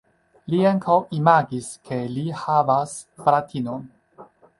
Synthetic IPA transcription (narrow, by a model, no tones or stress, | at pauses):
liaŋkʰawimaɡiskʰe̞lihavasfɾatʰinon